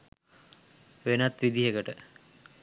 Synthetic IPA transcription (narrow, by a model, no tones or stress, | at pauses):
ʋenat̪ʋid̪iɦekəʈə